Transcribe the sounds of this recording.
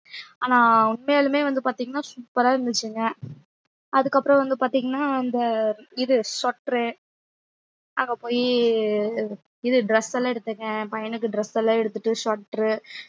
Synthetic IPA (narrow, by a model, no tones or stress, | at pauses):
aːnãːʊnmejalɯmeːʋɐnd̪ɯpaːɾt̪iːŋɡɐnːaːsuːpːɐɾaːɪɾɯnd̪ɯt͡ʃːɯŋɡɐ | ɐðɯkːɐpːɯɾɔ̃ʋɐnd̪ɯpaːɾt̪iːŋɡɐnːaːɪnd̪ɐɪðɯsɔːʈːɾɯ | aːŋɡɐpoːji | ɪðɯɖɾɛsːɛlːaːɛɽɯt̪ːɯkːɛ̃pɐjɐnɯkːɯɖɾɛsːɛlːãːɛɽɯt̪ːɯʈːɯsɔːʈːɾɯ